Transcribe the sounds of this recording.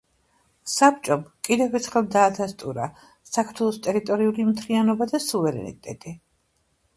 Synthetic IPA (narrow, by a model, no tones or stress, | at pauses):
sap̚t͡ʃʼɔbkʼid̪ɛvɛɾt̪ʰχɛlˠd̪aːd̪ast̪ʼuɾa | sakʰɾ̥t̪ʰwɛlˠɔst̪ʼɛɾit̪ʼɔɾiulimt̪ʰlianɔbad̪asuvɛɾɛ̰nḭt̪ʼɛ̰t̪ʼi